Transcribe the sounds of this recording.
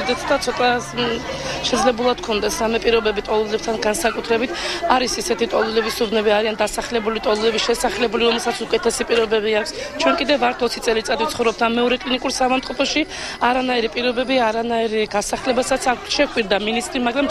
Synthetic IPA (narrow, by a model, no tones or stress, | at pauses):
d̪ɛt̪ʰd̪at̪sʰɔt̪ʼa | ʃɛd̪zlɛbulˠad̪̥kʰɔnd̪ɛsɾamɛpʼiɾɔbɛbit̪ʼɔlˠulɛp̚t̪ʰanɡansakʼut̪ʰɾɛbit̪ʰaɾisisɛt̪ʰit̪ʼɔlˠulɛbisubnɛbiaɾiand̪asaχlɛbulit̪ʼɔlˠulɛbiʃɛsaχlɛbuliɾɔmɛlˠsat̪sʰukʼɛt̪ʰɛsipʼiɾɔbɛbiakʷʰst͡ʃʰwɛnkʼid̪ɛvaɾt̪ʰɔt̪sʰit̪sʼɛlit̪sʼatd̪ift̪sʰχɔvɾɔb̚t̪ʰamːɛɔɾɛkʼlinikʼuɾsavamt̪ʼɔpʰɔʃi | aɾanaiɾipʼiɾɔbɛbiaɾanaiɾɡasaχlɛbasat̪sʰaʃɛkʰʼwiɾd̪aminist̪ʼɾimaɡɾam